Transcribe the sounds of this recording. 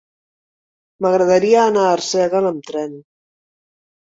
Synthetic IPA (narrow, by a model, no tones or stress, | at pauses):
məɣɾəðəɾiəːnaːɾsɛɣələmt̪ɾɛn